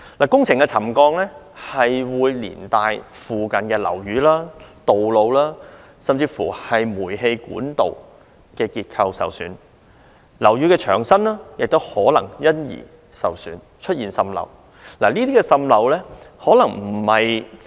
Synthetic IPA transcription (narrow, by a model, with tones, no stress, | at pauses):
laː˨˩kʊ˥ŋt͡sʰɪ˨˩ŋkɛ˧t͡sʰɐ˨˩mkɔː˧ŋlɛː˥ | hɐ˨jwuː˨˧jlḭː˨˩nt̪aː˨˧jfuː˨kɐ˨nkɛː˧lɐ̰˨˩wjyː˨˥laː˥t̪o˨wlo˨˧wlaː˥ | sɐ˨˧mt͡siː˧fṵ˨˩hɐ˨jmuː˨˩jɦe˧jkṵː˨˥nt̪o̰˨w | kɛː˧kiː˧t̚kʰɐ˧wsɐ̰˨wsyː˨˧n | lɐ˨˩wjy˨˧kɛː˧t͡ʃʰœː˨˩ŋsɐ˥nlaː˥jɪ˨k̚t̪o˥whɔː˨˥lɐ˨˩ŋjɐ˥njḭː˨˩ | sɐ̰˨wsyː˨˥n | t͡ʃʰɵ˥t̚jiː˨˩nsɐ˧mlɐ̰˨˧w | laː˨˩niː˥t̪iː˥kɛː˧sɐ˧mlɐ˨˥wlɛː˥hɔː˨˥lɐ˨˩ŋm̩˨˩hɐ˨j